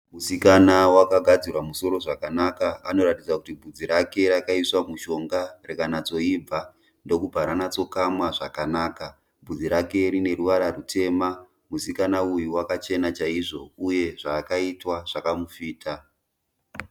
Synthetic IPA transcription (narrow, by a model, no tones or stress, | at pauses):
musikanawakaɡʱad͡zirwamuso̞ɾo̞ʐakanakaano̞ɾatid͡zakutibʱud͡ziɾake̞ɾakaiswamuʃo̞ŋɡarekanat͡so̞ib͡va | ndo̞kubʱaɾanat͡so̞kamwaʐakanaːka | bud͡ziɾake̞ɾine̞ruʋaɾarutʰe̞ːma | musikanaujiwakat͡ʃe̞nat͡ʃaiʐo̞uje̞ʐaːkaitwaʐ̥akamufiːtʰa